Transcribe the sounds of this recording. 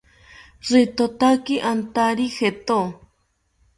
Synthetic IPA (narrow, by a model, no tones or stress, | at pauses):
ʐit̪ot̪akiʔant̪aɾixet̪o